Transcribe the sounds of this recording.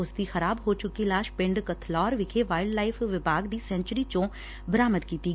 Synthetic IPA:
ʊsd̪iːxəɾaːbɦoːt͡ʃʊkilaːʃpɪɳɖkət̪ʰlɔːɾʋɪkʰeːʋaːɪɖlaːɪpʰʋɪbaːɡd̪iːsɛ̃ːnt͡ʃɾiːt͡ʃõː | bəɾaːməd̪kiːt̪iː

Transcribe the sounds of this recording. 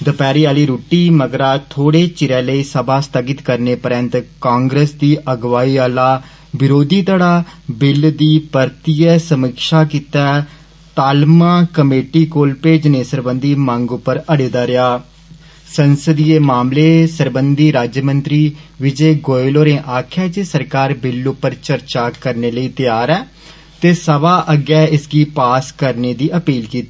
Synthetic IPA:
d̪əpɛːɾiːaːliːɾuːʈiːməɡɾaːt̪ʰoːɽeːt͡ʃɪɾɛ̃ːləiːsəbʱaːst̪əɡɪt̪kəɾneːpəɾənt̪kãːŋɡɾeːsd̪iːʔəɡʋaːiːaːlaː | bɪɾoːd̪iːt̪aːɽaːbɪld̪iːpəɾt̪iːɛːsəmɪkʃaːkit̪ɛː | t̪aːlmãːkəmeːʈiːkoːlpeːd͡ʒnẽːsəɾbənd̪iːmãːŋɡʊpːəɾəɽeːd̪aːɾɪaː | sənsəd̪iːeːmaːmleːsəɾbənd̪iːɾaːd͡ʒjmənt̪ɾiːʋɪd͡ʒeːɡoːɪloːɾẽːʔaːkʰɛːd͡ʒeːsəɾkaːɾbɪlʊpːəɾt͡ʃəɾt͡ʃaːkəɾneːləiːt̪ɪjaːɾɛː | t̪eːsəʋaːʔəɡɛːɪsɡiːpaːskəɾneːd̪iːəpiːlkiːt̪aː

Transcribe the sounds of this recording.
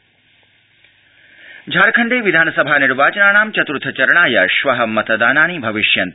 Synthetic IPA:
d͡ʒʱaːɾkʰɐɳɖeːʋid̪ʱaːnɐsɐbʱaːniɾʋaːt͡ʃɐnaːɳaːmt͡ʃɐt̪ɾut̪ʰɐt͡ʃɐɾɐɳaːjɐʃʋɐɦɐmɐt̪d̪aːnaːnibʱɐʋiʃjɐnt̪

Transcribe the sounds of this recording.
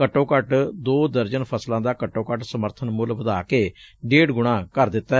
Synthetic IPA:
kəʈːõːkəʈd̪oːd̪əɾd͡ʒənpʰəslãːd̪aːkəʈːõːkəʈsəməɾt̪ʰənmʊlʋəd̪aːkeːɖeːɽɡʊɽ̃ãːkəɾd̪ɪt̪ːaː

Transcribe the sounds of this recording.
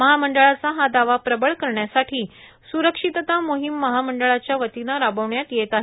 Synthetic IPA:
məɦaməɳɖəɭat͡saɦad̪aʋapɾəbəɭkəɾɳjasaʈʰiː | suɾəkʂit̪ət̪amoɦimːəɦaməɳɖəɭat͡ɕjaʋət̪inaɾabəʋɳjat̪jet̪aɦe

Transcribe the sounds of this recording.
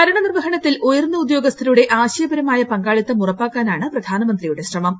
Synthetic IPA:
kɐɾɐɳɐnirʋɐɦɐɳɐt̪ːilʔojɐrnːɐud̪jo̞ːɡɐst̪ʰɐɾɐjuɽe̞ʔaːɕɐjɐbɐɾɐmaːjɐpɐŋɡaːɭit̪ːɨmurɐpːaːkːaːnaːɳɨprɐd̪ʱaːnɐmɐnd̪rijuɽe̞ɕrɐmɐm

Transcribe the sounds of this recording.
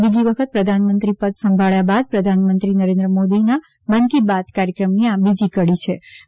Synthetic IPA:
bid͡ʒiʋəkʰət̪̚pɾəd̪ʱanmə̃nt̪ɾipəd̪sə̃mbʱaɭjabad̪̚pɾəd̪ʱanmə̃nt̪ɾinəɾẽnd̪ɾəmod̪ina | bənk̪ibat̪kaɾjəkɾəmniabid͡ʒikəɽit͡ʃʰe

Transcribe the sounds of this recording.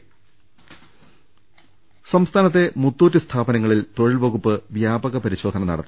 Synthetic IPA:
sɐmst̪ʰaːnɐt̪̬ːe̞mut̪ːuːt̬ːɨst̪ʰaːbɐnɐŋːɐɭilt̪o̞ɻilʋɐɣupːɨʋjaːbɐɣɐpɐɾiɕo̞ːd̪ʱɐnɐnɐ̰ɽɐt̪ː

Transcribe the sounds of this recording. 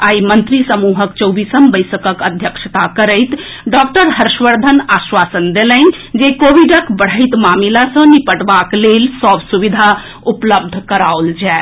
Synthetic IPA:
aimənt̪ɾisəmuɦəkt͡ʃəwbisəmbəjsəkəkəd̪ʱjəkʃət̪akəɾəjt̪ | ɖɔk̚ʈəɾɦəɾʃʋəɾd̪ʱənaswasənd̪elənd͡ʒekobiɖəkbəɽ̤əjt̪mamilasə̃nipəʈbaklelsɔbsuʋid̪ʱa | upləb̚d̪ʱkəɾauld͡ʒɛ

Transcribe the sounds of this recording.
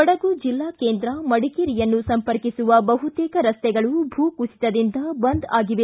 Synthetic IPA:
ɔɽɐɡud͡ʒilːaːkeːnd̪ɾɐmɐɽikiɾijɐnːusɐmpɐɾkisuʋɐbɐɦut̪ɛːkɐɾɐst̪ɛɡɐɭubʱuːkusi̥t̪ɐd̪ind̪ɐbɐnd̪aːɡiʋe

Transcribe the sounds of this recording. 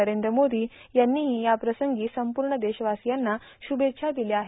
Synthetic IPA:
əɾend̪ɾəmod̪iːjanːiːɦijapɾəsəŋɡiːsəmpuɾɳəd̪eɕəʋasjanːa | ɕubet̪ːɕʰad̪ileaɦe

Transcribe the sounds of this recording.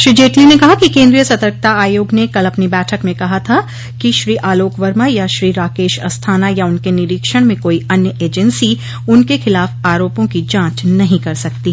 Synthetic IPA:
ʃɾid͡ʒeːʈlimẽkɐɦakikẽːnd̪ɾijəsɐt̪əɾk̚t̪aaːjoːɡnekɐlɐpnibɛːʈʰəkmẽkɐɦat̪ʰa | kiʃɾiːʔaːloːkʋəɾmajaʃɾiːɾaːkeːʃɐ̰st̪ʰaːnajaʊnkenɪɾiːkʃəɽ̃mẽkoːiɐnjəʔeːd͡ʒənsi | ʊnkexɪlaːfaːɾoːpõkid͡ʒãːt͡ʃnɐɦĩkɐɾsɐkt̪iː

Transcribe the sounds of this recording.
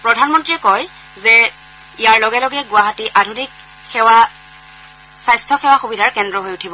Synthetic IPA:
pɹɔdʱanmɔntɹiɛkɔj | zɛ | ijaɹlɔɡɛlɔɡɛɡʊaɦatiʔadʱunik | xɛwa | sajstʰɔxɛwaxubidʱaɹkɛndɹɔɦojutʰibɔ

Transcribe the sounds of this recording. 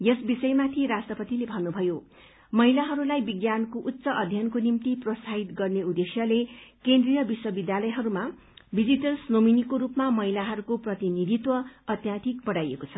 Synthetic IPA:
jesbisʌjmat̪ʰiɾasʈrʌpʌt̪ilebʱʌnːubʱʌjo | mʌɦilaɦʌɾulajbiɡjankoʔutːsʌʔʌd̪ʱjʌnkonimt̪iprʌsʰaɦit̪ɡʌrneud̪esjʌlekend̪rijʌbiswʌbid̪jalʌjɦʌɾuma | bid͡ziʈʌlsnominikoɾupmamʌɦilaɦʌɾukoprʌt̪inid̪ʱit̪wʌʌt̪jat̪ʰikbʌɽajekot͡sʰʌ

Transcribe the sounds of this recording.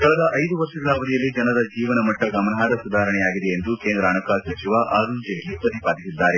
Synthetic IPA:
kɐɭɐd̪ɐʔɐjd̪uʋɐɾʂɐɡɐlaːʋɐd̪ijɐlːid͡ʒɐnɐd̪ɐd͡ʒiːʋɐnɐmɐʈːɐɡɐmɐnɐɦaːd̪ɐsud̪ʱaːɦɐɾɐɳɛjaːɡid̪eend̪ukeːnd̪ɾɐːnɐkaːlsɐt͡ʃiʋaʔaːɾund͡ʒejɐlːipɐt̪ipaːd̪isid̪ːaːɾe̞

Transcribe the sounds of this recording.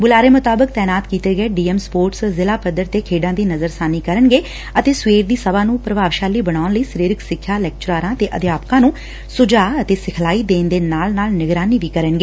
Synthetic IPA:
bʊlaːɾeːmʊt̪aːbək̚t̪ɛːnaːt̪kiːt̪eːɡəeːɖiːɛːmspoːɾʈszɪlaːpəd̪əɾt̪eːkʰeːɖãːd̪iːnəzəɾsaːniːkəɾəɳɡeː | ət̪eːsweːɾd̪iːsəbaːnũːpɾəʋaːʋʃaːliːbəɽaːʊnləiːsəɾiːɾɪksɪkʰjaːlɛːk̚t͡ʃʊɾaːɾãːt̪eːʔəd̪jaːpkãːnũː | sʊd͡ʒaːət̪eːsɪkʰlaːiːd̪eːnd̪eːnaːlnaːlnɪɡɾaːniːʋiːkəɾəɳɡeː

